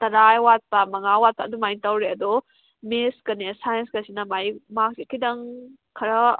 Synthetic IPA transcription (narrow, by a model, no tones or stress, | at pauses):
tɐɾajwat̚pamɐŋawat̚padumajntawɾeɐdɔ | meskɐnesajɐnskɐsinɐmajmak̚sikʰidɐŋ | kʰɐɾɐ